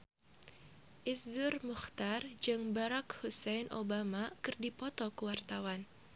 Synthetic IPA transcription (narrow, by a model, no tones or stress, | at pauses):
ʔiszʊrmuxt̪ard͡ʒɨŋbaɾakhusɛjnʔobamakɨrdipɔt̪ɔkuwart̪awan